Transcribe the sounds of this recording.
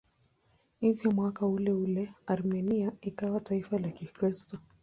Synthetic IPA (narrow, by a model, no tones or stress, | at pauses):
ivjɔmwakaulɛulɛaɾmɛniaikawataifalakikɾistɔ